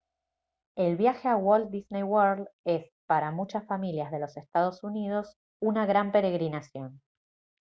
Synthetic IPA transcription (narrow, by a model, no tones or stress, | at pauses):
e̞lβjaxeawold̪̚d̪isnejwoɾle̞s | paɾamut͡ʃasfamiljazð̞e̞lo̞sest̪að̞o̞sunið̞o̞s | unaɣɾampe̞ɾe̞ɣɾinasjo̞n